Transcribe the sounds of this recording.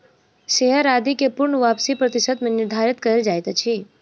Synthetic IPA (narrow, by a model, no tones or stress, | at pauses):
ʃeɦəɾad̪ikepʊɾɳəʋapsipɾət̪ɪʃəd̪mẽnɪɾd̪ʱaɾɪt̪kəɾeld͡ʒajt̪ət͡ʃʰi